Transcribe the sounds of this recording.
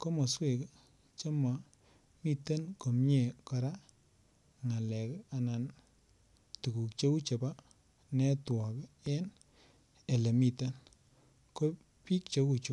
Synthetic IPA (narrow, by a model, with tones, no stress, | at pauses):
ko˦mo˨swe˨k | t͡ʃe˦ma˨ | mi˦˨tə˦nko˨mɲe˨kɔ˧ɾa˦ | ŋa˨lɛ˨ka˨na˨n | tu˨ku˨kt͡ʃo˦ku˦t͡ʃe˨ba˦ | nɛ˦twɔ˨ke˦n | e˨le˨mi˨tə˦n | ko˦ | pi˦k̚t͡ʃo˦ku˨t͡ʃu˦